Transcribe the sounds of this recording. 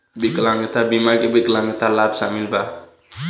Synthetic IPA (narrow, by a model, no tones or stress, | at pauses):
bikəlaŋət̪abimakɛbikəlaŋət̪alapsa̰milba